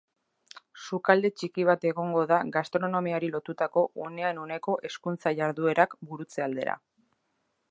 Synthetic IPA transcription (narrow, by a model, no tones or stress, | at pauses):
sukald̪e̞t͡ʃikiβ̞at̪e̞ɣo̞ŋɡo̞ðaɣast̪ɾo̞no̞miaɾilo̞t̪ut̪ako̞ʔune̞anone̞ko̞ʔe̞skunt͡saʝaɾðue̞ɾakbuɾut͡se̞ald̪e̞̰ɾa̰